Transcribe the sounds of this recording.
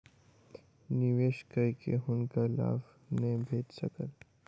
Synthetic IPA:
nɪʋeːʃkəikḛɦʊnkala̰ːf | nebʱeːtsəkəl

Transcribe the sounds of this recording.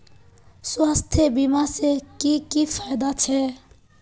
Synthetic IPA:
swast̪ʰjebimasekikifʰajd̪at͡ʃʰɛ

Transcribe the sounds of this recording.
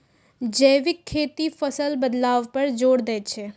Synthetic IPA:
d͡ʒəːʋɪkʰːeːt̪ifʰəsəlbəd̪laːʋpɐɾd͡ʒoːɽd̪ɛːt͡ʃʰeː

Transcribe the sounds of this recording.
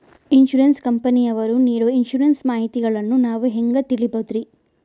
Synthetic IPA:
inʃuɾɐnskɐmpɐnijɐʋɐɾuniːɽuinʃuɾɐnsmaːɦit̪iɡɐɭɐnːunaːʋuɦeŋɡɐt̪iɭibɐd̪ɾi

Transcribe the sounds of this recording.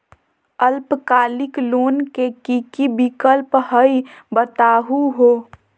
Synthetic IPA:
əlpkaːlɪkloːnkekikibikəlphəibət̪aːɦuɦoː

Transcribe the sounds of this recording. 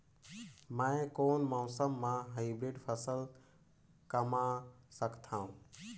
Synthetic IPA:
mãkoːnmãːsəmːãːɦaɪbɾeːɖpʰəsəl | kəmãsəkʰt̪ʰãːũ

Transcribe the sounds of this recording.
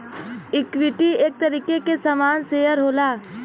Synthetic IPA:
ɪkʋɪʈieːk̚t̪əɾiːkekesamaːnseːjəɾɦoːlaː

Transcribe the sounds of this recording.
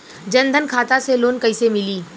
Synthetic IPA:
d͡ʒɐ̃nd̪ʱənkʰaːt̪aseloːnkɐɪsemɪliː

